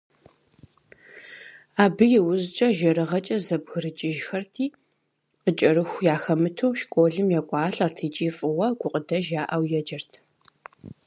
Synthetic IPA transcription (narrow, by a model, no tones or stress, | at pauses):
aːbɨjɛwʊzt͡ʃʼɐʒɐɾɨʁɐt͡ʃʼɐzɐbɣɨrɨt͡ʃʼɪʒxɐrtʰiː | qət͡ʃʼɐrɨxʷjaːxɐmɨtʰowʃkʷʼoːɮɨmjakʷʼɑːɬʼartʰiːt͡ʃʼiːfʼɨwɐɡʷʊqʼədɐʒaːʔɐwjɛd͡ʒɪrtʰ